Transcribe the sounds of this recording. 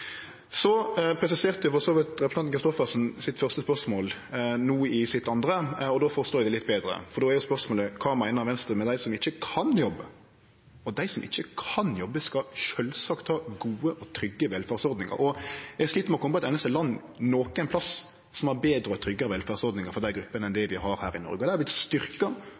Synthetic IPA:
sɔpʰɾɛsɪseːʁt̪əd̪ʊfɔɾsoːʋɪlt̪ɾɛpɾsɑkɾɪst̪ɔfəsn̩sɪt̪fœʁst̪əspœʁsmoːlnuːɪsɪt̪ːɑnd̪ɾəɔd̪oːfɔɾst̪oːd̪ɪd̪ɛlɪt̪̚ːbeːd̪ɾə̰fɔɾd̪oːæɾjʊspœɾsmoːləkʰɑːmæɪnəɾɑʋɛnst̪ɾəmɛd̪æɪsɔmɪçːəkʰɑnjɔbːə | ɔd̪æɪsɔmʔɪ̰çːəkʰɑnjɔbːəskɑʃœlsɑkt̪hɑɡuːəʔɔt̪ʰɾʏɡːəʋɛlfæːʁsɔɾd̪nɪŋə̰ɾɔjɛɡsʂɭiːt̪əmɛɔkʰɔmːəpɔɑɛt̪ɛnəst̪əlɑnː | noːkəæɛɪnpʰlɑs | sɔmæɾbeːd̪ɾəɔt̪ʰɾʏɡːəɾəʋɛlfæːʁsɔɾd̪nɪŋəɾfɔʁd̪æɪɡɾʉpːənəɛnd̪ɛʋɪɦɑɾhæːɾɪnɔ̰ɾɡəd̪ɛææblɪt̪st̪ʏɾkɑ

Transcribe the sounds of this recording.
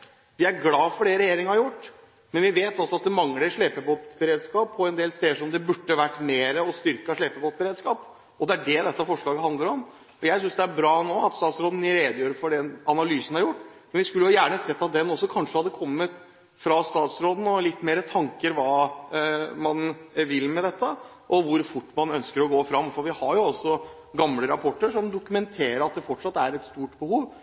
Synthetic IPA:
ʋɪæɾɡlɑːfɔɖɛɾɛjeːɾɪŋəhɑɾjʊʈː | mɛnʋɪʋeːt̪ɔsɔɑt̪̚d̪ɛmɑŋləɾʂɭeːpəboːt̪bəɾeːd̪skɑːpʰːɔɛnd̪eːlst̪eːd̪ʂɔmd̪ɛbʉʈːəʋæʈːmeːɾəɔst̪ʏɾkəʂɭeːpəboːt̪̚bəɾeːd̪skɑːp | ɔd̪ɛæɖɛd̪ɛt̪ːəfɔʂɭɑːɡəɦɑnd̪əɾɔm | ɔjæɪsʏnsd̪ɛæɾbɾɑːnoːɑt̪st̪ɑːt̪sɾoːd̪n̩ɪɾeːd̪jøːɾəfɔɖɛnɑnɑlyːsən̩hɑɾjʊʈːmɛnʋɪskʉlːəjʊjæːɳəsɛt̪ːɑt̪̚d̪ɛnɔsːɔkʰɑnʂəhɑd̪ːəkʰɔmːət̪ | fɾɑst̪ɑːt̪sɾoːd̪n̩ɔlɪt̪ːmeːɾət̪ʰɑŋkəɾʋɑː | mɑnʋɪlmɛd̪ɛt̪ːə | ʔɔʋʊɾfʊʈːmɑnœnskəɾɔɡoːfɾɑmfɔɾʋɪhɑɾjʊɔsɔ | ɡɑmləɾɑpʰɔʈːəʂɔmd̪ʊkʉmɛnt̪ʰeːɾəɾɑt̪̚d̪ɛfɔʈʂɑt̪ːæɾɛt̪st̪uːʈbəhuːʋ

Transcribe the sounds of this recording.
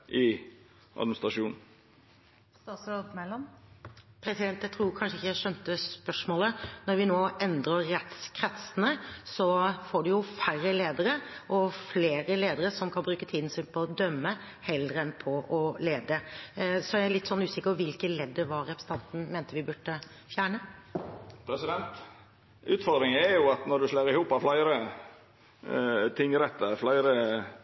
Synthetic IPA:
ʔɪ | ʔɑ̰d̪mɪnɪst̪ɾɑʂuːn | t̪ɑsɾod̪mɛlɔm | pʰɾɛsɪd̪ɛnt̪ːjæɪt̪ɾuːkʰɑnʂəɪçːjæɪʂœnt̪əspœʂmoːlənɔɾʋɪnoːɛnd̪ɾəːɛt̪skʰɾɛt̪sənəsɔfɔɖʉjʊfærəleːd̪əɾəʔɔfleːɾəleːd̪əɾəsɔmkʰɑnbɾʉːkət̪ʰiːd̪n̩synpʰɔɔd̪œmːə | hɛləɾəɛnpʰɔʔɔleːd̪əsɔææɭɪt̪ːsɔnːʉːsɪkːəpɔʋɪlkəlɛd̪ːəʋɑɾɛpɾsət̪ɑnt̪n̩meːnt̪əʋɪbʉʈːə | fjæːɳə | pʰɾɛsɪd̪ɛnt̪ | ʉːt̪fɔd̪ɾɪŋɛɾjʊɑt̪nɔɖʉslæɾɪhuːpɑflæɪɾə | t̪ʰɪŋːɾɛt̪ːəflæɪɾə

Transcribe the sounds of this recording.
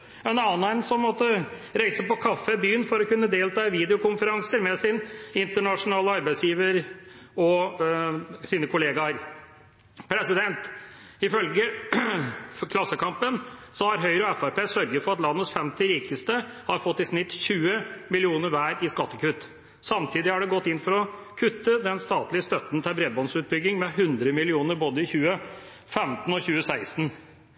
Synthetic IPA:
ɛnɑːnænsɔmmɔt̪ːəɾæɪsəpɔkʰɑfːəbyːənfɔɾɔkʉnːəd̪eːlt̪ʰɑːɪʋiːd̪ɪʊkʊnfəɾɑŋsəɾmɛsɪnɪnt̪əɳɑʂʊnɑːləɑɾbæɪsjiːʋəɾ | ɔ | siːnəkʰʊleːɡɑɾ | pʰɾɛsɪd̪ɛnt̪ | ɪfœlɡə | kʰlɑsːəkʰɑmpənsɔhɑɾɦœʏɾəɔɛfæɾpeːsœɾɡəfɔɾɑt̪lɑnːət̪sfɛmt̪ɪɾiːkəst̪əhɑɾfɔt̪ːɪsnɪt̪ːçʉːəmɪlɪuːnəɾʋæːɾɪskɑt̪ːəkʉt̪ː | sɑmt̪ʰiːd̪ɪhɑɖɛɡɔt̪ːɪnːfɔɾɔ | kʰʉt̪ːəd̪ɛnst̪ɑːt̪lɪəst̪œt̪n̩t̪ʰɛbɾɛbɔnsʉːt̪̚bʏɡːɪŋmɛɦʉnd̪ɾəmɪlɪuːnəɾboːd̪əɪçʉːə | fɛmt̪n̩ɔçʉːəsæɪst̪n̩

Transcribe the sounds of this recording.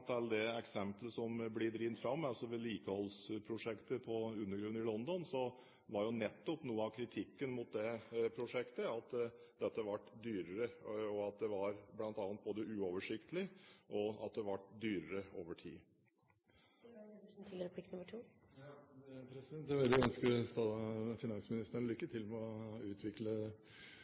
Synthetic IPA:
t̪ʰɑld̪ɛɛksɛmpləsɔmblɪd̪ɾiːənt̪fɾɑmːɑlsɔʋɛliːkəhɔlspʰɾʊʂɛkt̪əpʰɔʉnːəɡɾʉnɪlɔnd̪ɔnsɔ | ʋɑɾjʊnɛt̪ːɔpnuːəɑkʰɾɪt̪ʰɪkːənmʊt̪̚d̪ɛpʰɾʊʂɛkt̪əɑt̪ | d̪ɛt̪ːəʋɑʈːd̪yːɾəɾəɔɑt̪̚d̪ɛʋɑɾblɑnt̪ɑːnt̪̚boːd̪əʔʉːoːʋəʂɪkt̪əlɪʔɔɑ̰t̪̚d̪ɛʋɑʈd̪yːɾəɾəo̰ːʋəʈʰḭː | t̪ʰɪlɾəpʰlɪknʊmːəʈʰuː | pʰɾɛsɪd̪ɛnt̪jæʋɛld̪ɪœnskəst̪ɑfɪnɑnsmɪnɪst̪əɳlʏkːət̪ʰɪlmɛɔʉːt̪ʰʋɪklə

